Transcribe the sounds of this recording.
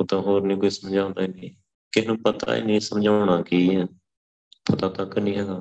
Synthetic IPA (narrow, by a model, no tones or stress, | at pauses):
ʊt̪ãːɦoːɾnĩːkoːiːsəmd͡ʒãːʊ̃nd̪aːiniː | kɪɦnũːpət̪a̰ːḭːnĩːsəmd͡ʒaːʊɳaːkiːɦɛː | pʰət̪aːt̪əkənĩːɦɛːɡaː